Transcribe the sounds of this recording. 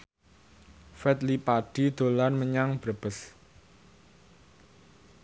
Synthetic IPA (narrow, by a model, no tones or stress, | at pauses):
fɛt̪lipaɖ̥i̤d̪̥o̤lanməɲaŋb̥ɾəb̥əs